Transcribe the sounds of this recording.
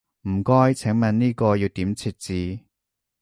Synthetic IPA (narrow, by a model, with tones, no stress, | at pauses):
m̩˨˩kɔː˥jt͡sʰɪ˨˥ŋmɐ˨˧nniː˥kɔː˧jiː˧wt̪iː˨˥mt͡sʰiː˧t̚t͡siː˨˧